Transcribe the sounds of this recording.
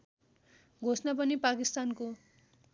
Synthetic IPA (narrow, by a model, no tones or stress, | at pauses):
ɡʱosnʌpʌnipakist̪anko